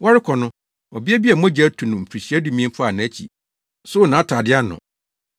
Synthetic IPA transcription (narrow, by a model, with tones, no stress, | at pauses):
wa˦ɾɪ˦kʰɔ˨nʊ̃˦ | ɔ˨bɪ˦ɛ˦bi˦a˨mɔ̃˦d͡ʑa˦tʰũ˨nʊ̃˨m̩˨pʰɾi˨ɕi˨˦æ˦du˨mĩ˦m˦pʰa˨nã˨˦t͡ɕʰḭ˨ | sʊ˦˨nãː˨˦tʰaː˨dɪ˦a˦nʊ̰̃˨